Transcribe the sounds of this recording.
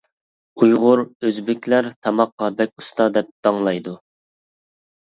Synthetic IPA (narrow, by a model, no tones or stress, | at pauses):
ujʁʊɾøzbɪkʲʰlæɾt̪ʰɑmɑqːɑbɛkʲu̥st̪ɑd̪ɛp̚d̪̥ɑŋlˠɑjd̪u